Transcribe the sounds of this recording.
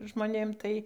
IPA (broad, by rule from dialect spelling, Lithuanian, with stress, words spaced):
ʒmoːˈnʲeːm ˈtɐɪ